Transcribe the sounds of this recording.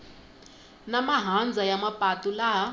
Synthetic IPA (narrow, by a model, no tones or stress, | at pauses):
namaɦand͡zʱajamapʼatʼulaɦa